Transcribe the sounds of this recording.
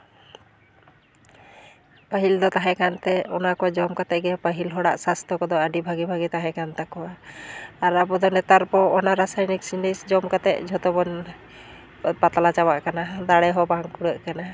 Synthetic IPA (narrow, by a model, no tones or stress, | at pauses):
pəɦild̪ɔt̪aɦɛ̃kant̪ɛɔnakɔwad͡ʒɔmkat̪ɛʔɡɛpəɦilɦɔɽa̰ʔsast̪ʰɔkɔd̪ɔəɖibʱaɡibʱaɡit̪aɦɛ̃kant̪akɔwaː | ɾabɔd̪ɔnɛt̪aɾpɔɔnaɾasajniksinisd͡ʒɔmkat̪ɛ̰ʔd͡ʒʱɔt̪ɔbɔn | pat̪alat͡ʃabaʔkanad̪aɽɛɦɔbaŋkuɽəʔkana